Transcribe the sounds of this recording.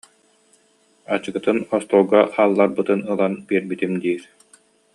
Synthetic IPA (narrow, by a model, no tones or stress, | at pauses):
at͡ɕɯɡɯt̪ɯnɔst̪uːɡaχaːlˠːaɾbɯt̪ɯnɯlˠanbiɛɾbit̪imd̪iːɾ